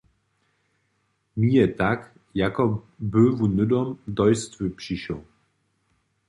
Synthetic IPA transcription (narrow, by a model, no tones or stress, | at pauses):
miɛtak | jakɔ | bøvunʏdɔmd̪ɔjstvøpɕiɕɔ̰